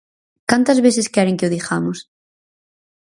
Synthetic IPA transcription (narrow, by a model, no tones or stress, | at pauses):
kant̪ɐzβeθeskɛɾeŋkɪʊðixamʊs